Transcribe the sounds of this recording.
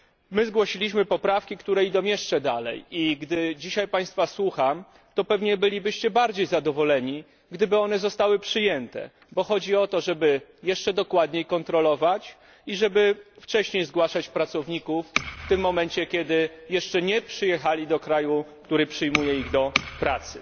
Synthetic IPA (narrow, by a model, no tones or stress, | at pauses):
mɘzɡwɔɕilʲiɕmɘpɔpɾafkʲikt̪uɾɛid̪ɔ̃w̃jɛʂt͡ʂɛd̪alɛ̰jiɡd̪ɘd͡ʑiɕajpaj̃st̪faswuxam | t̪ɔpɛvɲɛbɘlʲibɘɕt͡ɕɛbaɾd͡ʑejzad̪ɔvɔlɛɲi | ɡd̪ɘbɘɔnɛzɔst̪awɘpʂɘjɛnt̪ɛ̰ | bɔxɔd͡ʑiɔt̪ɔʐɛbɘjɛʂt͡ʂɛd̪ɔkwad̪ɲejkɔnt̪ɾɔlɔvat͡ɕ | iʐɛbɘft͡ʂɛɕɲejzɡwaʂat͡ɕpɾat̪sɔvɲikufːt̪ɘmːɔmɛnt͡ɕɛkʲɛd̪ɘjɛʂt͡ʂɛɲɛpʂɘjɛxalʲid̪ɔkɾajukt̪uɾɘpʂɘjmujɛiɣd̪ɔpɾat̪sɘ